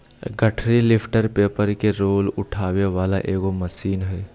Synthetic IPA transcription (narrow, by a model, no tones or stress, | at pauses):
ɡəʈʰɾilɪpʰʈəɾpeːpəɾkeɾoːlʊʈʰaːʋjeʋaːlaʔeːɡomɐsiːnɦɛː